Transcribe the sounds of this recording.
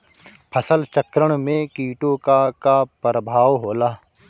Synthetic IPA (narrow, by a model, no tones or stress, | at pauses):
pʰəsəlt͡ʃəkɾəɽ̃mẽkiːʈokakapɾəbʱaːʋɦoːlaː